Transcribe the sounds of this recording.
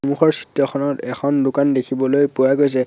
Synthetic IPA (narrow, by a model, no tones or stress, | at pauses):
muxɔɹsitjɔxʰɔnɔtɛxʰɔndʊkandekʰibɔlojpuwaɡojs̬ɛ